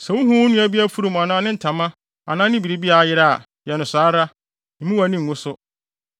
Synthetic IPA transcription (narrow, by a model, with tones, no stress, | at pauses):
sɛ˨wʊ̃˦ɦũ˦wʊ̃˦nũ˦æ˦bi˦æ˦fu˦ɾu˦˨m˨a˨nãː˦nɪ̃˦n̩˨tʰã˨mã˦ | a̰˨nãː˦nɪ̃˦bi˨ɾi˦bi˦a˨jɪ˦ɾa˦a̰˨ | jɛ˨nʊ̃˨saː˨˦ɾa˦ | m̩˨˦mũ˦wæ˨˦nĩ˦ŋ̩˨ŋʊ̃˦sʊ˦